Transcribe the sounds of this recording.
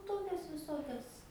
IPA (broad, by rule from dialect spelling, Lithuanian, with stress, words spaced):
ˈtoːkʲɛs ʋʲɪˈsoːkʲɛs